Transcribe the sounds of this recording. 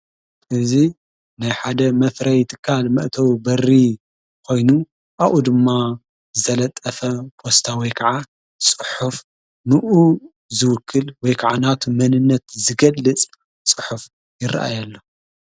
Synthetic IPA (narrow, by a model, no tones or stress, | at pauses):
ʔɨzi | najħad̪ɐmɐfɾɐjt̪ʰɨ̥kʰːalmɐʔt̪ʰɐwbɐrːi | kʰo̞jnu | ʔaʔud̪ɨmːa | zɨt̪ʰɐlɐt̪ʼːɐfɐpʰo̞st̪ʰawɔjkʰɐʕa | t͡sʼɨħuf | nɨʔu | zɨwʊkʰːɨlwɔjkʰaʕanat̪ʰumɐnɨnːɐt̪zɨɡɐlːɨt͡sʼ | t͡sʼɨ̥ħuf | jɪrːa̰ʔa̰jalːo